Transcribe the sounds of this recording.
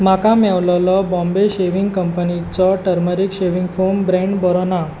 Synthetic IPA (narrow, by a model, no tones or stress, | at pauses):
makãmɛʋlɔlɔbɔ̃mbeɕeʋiŋɡkəmpənit͡sɔʈəɾməɾikɕeʋiŋɡfombɾẽɳɖbɔɾɔna